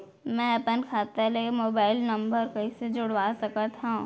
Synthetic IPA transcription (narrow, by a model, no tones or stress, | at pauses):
mɛ̃ɐpənkʰaːt̪alemoːbaːɪlnɐ̃mbəɾkɐised͡ʒʊɽʋaːsɐkət̪ɦã